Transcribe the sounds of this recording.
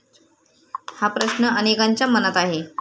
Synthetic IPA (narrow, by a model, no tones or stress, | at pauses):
hapɾəɕnəʔənekaɲt͡ɕjamənət̪aɦe